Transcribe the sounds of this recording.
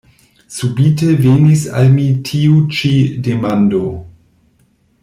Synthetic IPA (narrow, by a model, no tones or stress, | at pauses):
subitevenisa̰lmitʰiut͡ʃidemando